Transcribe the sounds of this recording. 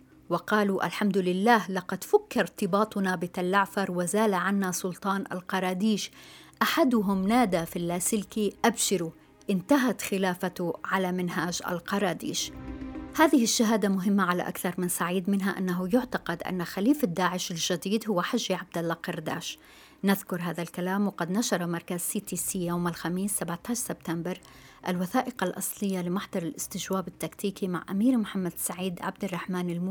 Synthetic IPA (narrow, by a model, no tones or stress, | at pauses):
wɑqɑːluʔa̰lħamd̪ʊlɪlːaːhlɑqɑd̪fakːɑɾˤt̪ɪbɑːt̪ˤʊnabɪt̪alːaʕfɑɾˤwazaːlaʕanːasˤʊlt̪ˤɑːnʔa̰lqɑɾˤɑːd̪iːʃʔaħad̪ʊɦʊmnaːd̪afilːaːsɪlkiʔabʃɪɾu | ʔɪnt̪aɦat̪xɪlaːfat̪ʊʕalamɪnɦaːd͡ʒʔa̰lqɑɾˤɑːd̪ḭːʃ | haːðɪhɪʃːaɦaːd̪amʊɦɪmːaʕala̰ʔa̰kθɑɾˤmɪnsaʕiːd̪mɪnɦaʔa̰nːaɦujʊʕt̪aqɑd̪ʔa̰nːaxaliːfɪd̪ːaːʕɪʃɪlʒɪd̪iːd̪hʊwːaħaʒːiʕab̚d̪alːɑqɑɾˤd̪a̰ːʃ | nɪðkʊɾˤɦaːðalkalaːmwɪqɑd̪naʃɑɾˤɑmɑɾˤkazsiːt̪iːsiːjowmalxamiːsːabʕt̪aːʃsɪb̚t̪ambɪɾ | ʔalwaθaːʔɪqɑlʔɑ̰sˤlɪjːalɪmaħd̪ɑɾˤɪlʔɪst̪ɪd͡ʒwaːbɪt̪ːakt̪iːkima̰ʕʔa̰miːɾmħamːad̪saʕiːd̪ʕa̰b̚d̪ɪrˤːɑħmaːnɪlm